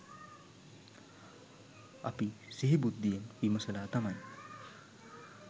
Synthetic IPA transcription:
a̰pisiɦibud̪ʱːijenimɐsəlaːt̪aman

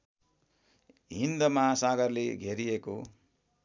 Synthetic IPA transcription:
ind̪ɐmasaːɡɐɾliɡeɾijeku

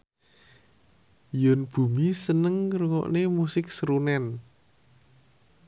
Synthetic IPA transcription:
jɔnb̥ṳmisənəŋruŋɔ̰ʔnemusɪk̚sɾunɛn

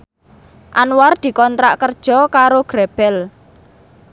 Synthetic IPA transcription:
ʔanward̪̥i̤kɔnt̪ɾa̰ʔkərd̥ʒ̥ɔ̤kaɾoɡ̥ɾɛb̥ɛl

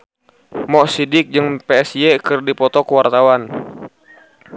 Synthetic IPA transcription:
mɔʔsidɪk̚d͡ʒɨŋpeɛsjɛkɨrdipɔt̪ɔkəwart̪awan

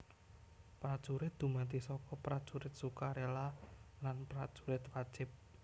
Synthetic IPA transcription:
pɾad̥ʒ̥uɾɪt̪̚d̪̥ṳmat̪isɔkɔpɾad̥ʒ̥uɾɪt̪̚sukaɾelalanpɾad̥ʒ̥u̥ɾɪt̪wḁʒ̥ɪp̚

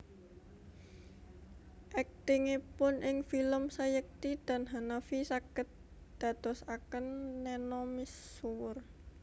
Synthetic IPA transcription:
ʔɛk̚t̪ɪŋepʊnʔɪŋfiləmsajək̚t̪id̪̥a̤nɦanafisakət̪̚ | d̪̥ä̤t̪ɔsakənːɛnɔmisuwʊr

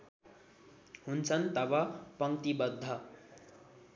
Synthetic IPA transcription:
ɦunt͡sʰʌnt̪ʌbʌpʌŋt̪ibʌd̪ʱːʌ

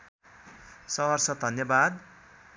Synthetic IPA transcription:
sʌwʌrsʌd̪ʱʌnjʌbad̪

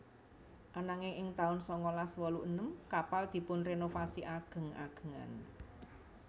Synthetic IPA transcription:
ʔanaŋɪŋɪŋt̪aʊnsɔŋɔlaswɔluʔənəmkapald̪̥i̤pʊnrenofasiʔaɡ̥ə̤ŋa̰ɡ̥ə̥̤ŋa̰n

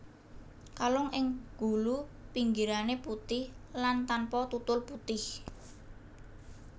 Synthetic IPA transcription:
kalɔŋʔɪŋɡ̥ulupiŋɡiɾaneput̪ɪhlant̪anpɔt̪ut̪ʊlput̪ɪh

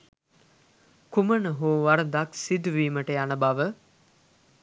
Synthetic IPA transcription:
kumənəɦoːʋaɾəd̪aksid̪uʋiːməʈəjanəbaʋə

